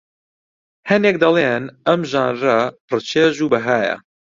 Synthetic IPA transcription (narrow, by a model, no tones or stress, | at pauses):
hɐneːk̚d̪ɐlˠeːnɐmʒaːnrɐpʰrɨt͡ʃʰeːʒuːbɐɦaːjɐ̰